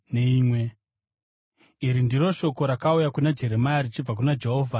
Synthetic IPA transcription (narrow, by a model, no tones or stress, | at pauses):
neiːmwe̞ | iɾindiɾo̞ʃo̞ko̞ɾakaujakunad͡ʒe̞ɾe̞majarit͡ʃib͡vak̬unad͡ʒe̞ɦo̞ːvʱa